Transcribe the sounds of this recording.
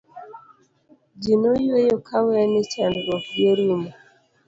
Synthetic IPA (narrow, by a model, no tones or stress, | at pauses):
d͡ʒinojwejokʰawɛnɪt͡ʃanɡɔɡeɾimɔ